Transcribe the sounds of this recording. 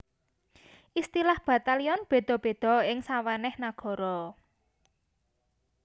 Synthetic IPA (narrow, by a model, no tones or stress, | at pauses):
ʔist̪ilahb̥a̤t̪aliɔnb̥e̤d̪̥ɔ̤b̥e̤d̪̥ɔ̤ɪŋsawanɛhnaɡ̥ɔ̤ɾɔ